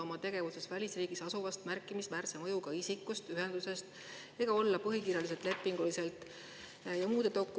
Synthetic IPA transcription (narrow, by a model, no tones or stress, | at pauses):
o̞mɑt̪e̞ɡ̥e̞vuse̞svælʲisriːɡ̥isɑsuvɑst̪mærkːˑimismæːrsemɤjuɡ̥ɑisikːˑust̪yɦe̞nd̪̥use̞st̪ | e̞ɡ̥ɑo̞lːɑpɤɦikiːrjɑlis̬e̞lt̪le̞pːˑiŋɡ̥ulise̞lt̪ˑ | jɑmuːd̪̥e̞t̪o̞kːˑu